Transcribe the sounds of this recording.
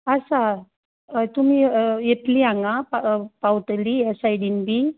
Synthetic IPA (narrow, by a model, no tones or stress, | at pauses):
əsa | t̪um̤iːjet̪liãŋɡappawʈ̪liesajɽiːnbiː